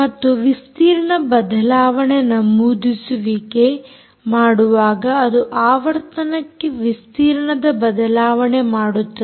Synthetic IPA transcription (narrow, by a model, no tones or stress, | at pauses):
mɐt̪ːuʋist̪iːɾɐɳɐbɐd̪ɐlaːʋɐɳenɐmuːd̪isuʋike̞ | maːɽuʋaːɡɐːd̪uʔaːʋɐɾt̪ɐnɐkːeʋist̪iːɾɐɳɐd̪ɐbɐd̪ɐlaːʋɐɳemaːɽut̪ːɐ